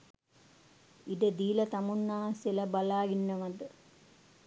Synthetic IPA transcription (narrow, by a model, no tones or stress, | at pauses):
iɖəd̪iːlɐt̪ɐmunːaːselɐbalaːɡinːəʋɐd̪ə